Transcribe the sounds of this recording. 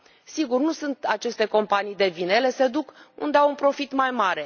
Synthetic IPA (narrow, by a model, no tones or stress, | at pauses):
siɡurnusunt̪at͡ʃe̞st̪e̞ko̞mpanijd̪e̞vinele̞se̞d̪ukṵnd̪eawunpɾo̞fit̪majmaɾe̞